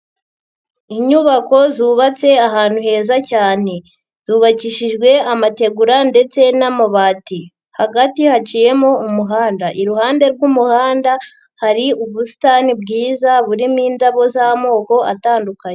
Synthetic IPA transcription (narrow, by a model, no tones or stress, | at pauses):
iɲuβako̞zuːβat͡se̞aɦaːn̥huhe̞ːzacaːne̞ | z̥uːβaciʃiʒɡwe̞amate̞ɡuɾande̞t͡se̞namoβaːti | haɡatihat͡ʃije̞mo̞umuɦaːndaʔiɾuhaːnde̞ɾɡumuhaːnda | haɾiuβusi̥taːnibɡiːzaβuɾimiːndaβo̞zamo̞ːko̞ʔataːndukaɲe